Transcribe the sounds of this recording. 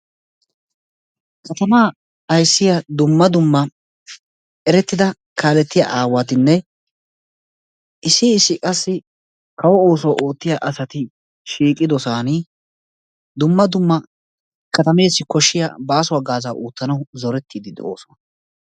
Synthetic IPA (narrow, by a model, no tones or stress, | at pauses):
kʰɐt̪ɐmaː | ɐjsːɪjɐd̪ʊmːɐd̪ʊmːɐ | ɛɾɛt̪ːɪd̪ɐ | kʰaːlɛt̪ːɪjɐ̰ʔaːwat̪ɪnːɛ | ɪsɪːsːɪkʼɐsːɪ | kɐwɔo̞ːsɔwʔoːt̪ːɪjaʔɐsɐt̪ɪ | ʃiːkʼːɪd̪ɔsaːni | d̪ʊmːɐd̪ʊmːɐ | kɐt̪ɐme̞ːsːɪkɔʃːɪjɐ̰baːsʊwɐɡaːzaːʔuːt̪ːɐnɐwzɔɾɛt̪ːiːd̪ɪd̪ɛo̞̰ːsɔwɐ